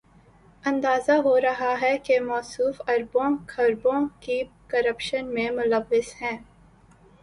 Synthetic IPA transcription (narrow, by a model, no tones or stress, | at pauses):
ɐ̃nd̪aːzaɦoɾɐɦaɦɛkemɔːsuːfɐɾbõkʰɐɾbõkikɐɾəpʃənmẽmʊləʋːɪsɦɛ̃ː